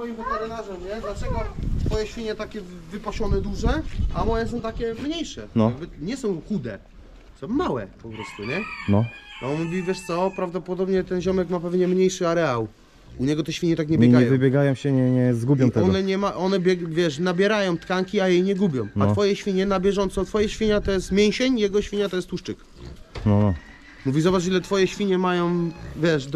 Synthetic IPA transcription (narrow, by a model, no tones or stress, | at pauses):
fɔjimvɛt̪ɛɾɪnaʐɛmɲɛd̪lat͡ʃɛɡɔt̪fɔjɛɕfʲiɲɛt̪akʲɛvɘpaɕɔnɛd̪uʐɛamɔjɛs̬ɔ̃w̃t̪akʲɛmɲejʂɛnɔaɡbɘɲɛsɔ̃w̃xud̪ɛ | sɔ̃wmmːawɛ̰pɔpɾɔst̪uɲɛnɔɔnmuvʲivʲjɛʂt̪sɔpɾavd̪ɔpɔd̪ɔbɲɛt̪ɛnʑɔmɛkmapɛvɲɛmɲejʂɘaɾɛaw | uɲɛɡɔt̪ɛɕfʲiɲɛt̪ak̬ɲɛbbjɛɲaɛjvɨ̃bʲjɛɡajɔ̃w̃ɕɛɲɛɲɛzɡubʲjɔnt̪ɛɔɡnɛɲɛmaʔɔnɛbʲjɛvʲjɛʂnabʲjɛɾajɔ̃w̃t̪kaŋkʲiajejɲɛɡubʲjɔ̃mat̪fɔjɛɕfʲiɲɛnabʲjɛʐɔnt̪sɔt̪fɔjɛɕfʲiɲat̪ɔjɛst̪mʲjɛw̃ɕeɲjɛɡɔɕfʲiɲat̪ɔjɛst̪uʂt͡ʂɘk | nɔnɔ | muvʲizɔbaʂ̬ilɛt̪fɔjɛɕfʲiɲɛmajɔ̃w̃vʲjɛʂd̪